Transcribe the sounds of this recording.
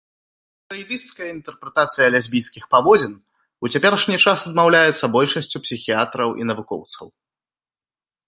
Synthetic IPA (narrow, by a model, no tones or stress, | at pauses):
t̪ɾɐjd̪ɨst̪kɐjɐint̪ɛrpɾɛt̪at̪sɨjɐlʲazʲbʲijskʲixpavɔd͡zʲɛn | ut͡sʲapʲɛɾɐʂnʲit͡ʂasɐd̪mawlʲajɛt̪sːɐbɔlʲʂɐsʲt͡sʲupsʲixʲiat̪ɾɐwʔḭnɐvukɔ̰wt̪sɐ̰w